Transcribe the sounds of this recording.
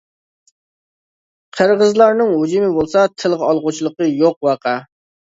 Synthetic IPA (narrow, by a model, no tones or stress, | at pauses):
qʰəɾʁəzlˠɑɾnɨŋɦud͡ʒumɪbolˠsɑt̪ʰɪlˠʁɑlˠʁʊt͡ʃʰilˠəqəjoq̚wɑqʰæ